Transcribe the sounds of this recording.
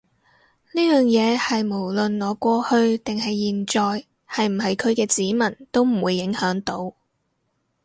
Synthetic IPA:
niː˥jœː˨˩ŋjɛː˨˧hɐ˨jmo˨˩wlɵ˨nŋɔː˨˧kʷɔː˧hɵ˧ɥt̪ɪ˨ŋhɐ˨jːiː˨˩nt͡ʃɔː˨j | hɐ˨jm̩˨˩ɦɐ˨jkʰɵ˨˧ɥkɛː˧t͡siː˨˥mɐ˨˩nt̪o˥wm̩˨˩wuː˨˧jːɪ˨˥ŋhœː˨˥ŋt̪o˨˥w

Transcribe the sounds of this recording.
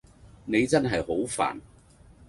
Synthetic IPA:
ne˨˧jt͡sɐ˥nɦɐ˨jho˨˥wfa̰ː˨˩n

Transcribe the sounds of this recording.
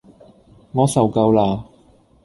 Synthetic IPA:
ŋɔː˨˧sɐ˨wkɐ˧wlaː˧

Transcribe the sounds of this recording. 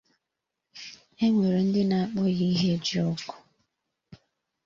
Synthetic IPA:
e˦ŋʷe˨ɾe˨n̩˦dɪ˦na˨a˦k͡pɔ˦ɣi˦ɦe˦˨d͡ʒɔ˦kʊ̥˨

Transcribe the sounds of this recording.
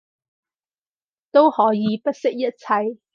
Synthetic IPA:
t̪o˥whɔː˨˥jiː˨˧pɐ˥t̚sɪ˥k̚jɐ˥t̚t͡sʰɐ˧j

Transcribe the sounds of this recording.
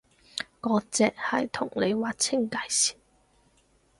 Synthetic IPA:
kɔː˨˧˥t͡sɛː˨k̚hɐ̰˨jt̪ʰʊ˨˩ŋle˨˧jwaː˨t͡sʰɪ˥ŋka˧˥jsi̥ː˨˩

